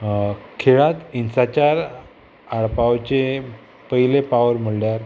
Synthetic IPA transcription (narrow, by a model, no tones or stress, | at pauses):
kʰeɭat̪insat͡ɕaɾ | aɭpawt͡ɕe | pəɦilepaʋəɾm̤əɽljaɾ